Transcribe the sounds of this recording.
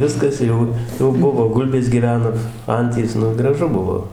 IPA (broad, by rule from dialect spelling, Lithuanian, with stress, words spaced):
ˈʋʲɪskɐs ˈjɛʊ jɛʊ ˈbʊʋoː ˈɡʊlʲbʲeːs ɡʲiːˈʋʲæːnoː ˈɐnʲtʲiːs ˈnʊ ɡrɐˈʒʊ ˈbʊʋoː